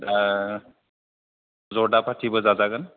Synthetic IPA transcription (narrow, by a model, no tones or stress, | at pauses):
zɔɹdapʰatʰibɔzazaɡan